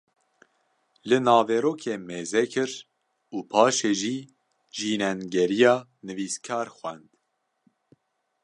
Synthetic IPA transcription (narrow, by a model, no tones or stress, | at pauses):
lɨnɑːveːɾoːkʰeːmeːzɛkʰɨɾ | uːpʰɑːʃeːʒiː | ʒiːnɛnɡɛɾijɑːnɨviːskʰɑːɾxwɛnd̪